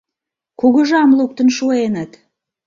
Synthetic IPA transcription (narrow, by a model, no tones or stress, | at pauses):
kuɣəʒɑmluk̚t̪ənʃuenət̪